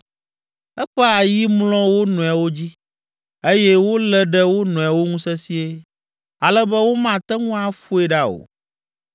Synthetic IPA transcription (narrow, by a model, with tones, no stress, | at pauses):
ɛ˦k͡pɛ˦a˨ji˦mlɔ̃˦wo˦nɔ̃˨a˨wo˦d͡ʑi˦ | e˦jɛ˦wo˦lɛ˦ɖɛ˦wo˦nɔ̃˨a˨wo˦ŋũ˦sɛ˦si˦e˦ | a˨lɛ˦bɛ˦wo˦mã˦˨t̪ɛ˦ŋũ˦a˦fu˦e˦ɖa˦o̰˨